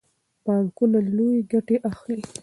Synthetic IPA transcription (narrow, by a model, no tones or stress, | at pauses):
pɑŋkunalojeɡaʈeʔaxli